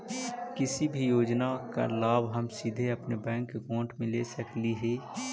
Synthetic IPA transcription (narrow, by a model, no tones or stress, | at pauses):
kɪsibʱijoːd͡ʒnaka̰laːbɦɐmsid̪ʱeɐpnebɛ̃ːŋkːekõːʈmẽleːsəkliɦɛː